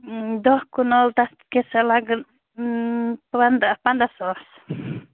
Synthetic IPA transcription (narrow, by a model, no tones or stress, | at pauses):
d̪ɔhkunɔlt̪a | kesɛlaɡ | and̪apand̪asɔs